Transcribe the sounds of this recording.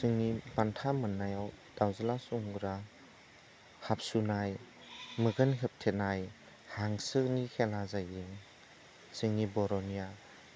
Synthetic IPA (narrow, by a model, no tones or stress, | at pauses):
sɯŋnibantʰamɯnːajawd̥awzalasuŋɾa | hap̚sunaj | mɯɡɯnɦep̚tʰenaj | haŋsɯknikʰelazajɯŋ | sɯŋnibɔɾɔnija